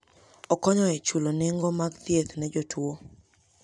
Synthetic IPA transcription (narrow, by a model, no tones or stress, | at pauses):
ɔkɔɲɔɛt͡ʃuloneŋɡomaɡt̪jet̪nɛd͡ʒotwo